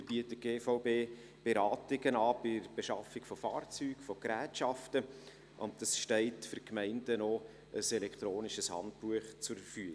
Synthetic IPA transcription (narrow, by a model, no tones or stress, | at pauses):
b̥iətːəɡeːfaʊbeː | b̥eɾɑːtɪɡənɑːbɪɾb̥eʃɑfɪkfɔfɑːrt͡syːɡ̥fɔkɾæːtʃɑftə | ʔʊntd̥ɑsʃtɛɪtfʏrkmɛɪndəno | əsɛlɛkt̪ɾoːnɪʃəshɑ̰nt̚buəχt͡sʊɾfy